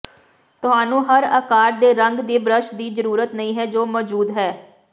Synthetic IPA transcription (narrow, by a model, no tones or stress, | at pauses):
t̪ʊɦaːnũːɦəɾəkaːɾd̪eːɾəŋɡd̪iːbɾəʃd̪iːzəɾuːɾət̪nəĩːɦɛːd͡ʒoːmɔːd͡ʒuːd̪ɦɛː